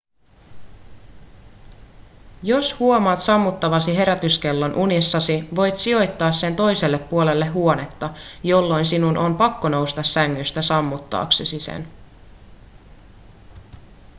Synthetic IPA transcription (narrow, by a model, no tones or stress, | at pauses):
jo̞shuo̞mɑːt̪sɑmːut̪ːɑʋɑsiɦe̞ɾæt̪yske̞lːɑnʔunisːɑsiʋo̞jt̪sio̞jt̪ːɑːsse̞nt̪o̞jse̞lːepːuole̞lːe̞ɦuo̞ne̞t̪ːɑjo̞lːo̞jnsinunʔo̞mpɑkːono̞wst̪ɑsːæŋːyst̪æsɑmːut̪ːɑ̰ːksesisḛn